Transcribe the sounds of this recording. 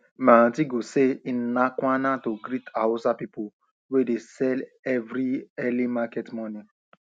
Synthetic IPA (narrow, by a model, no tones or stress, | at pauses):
mãtiɡosein̩nakʷanatoɡɾitaosapipo | wedesɛl | ɛvɾiɛlimakɛtmɔ̃ni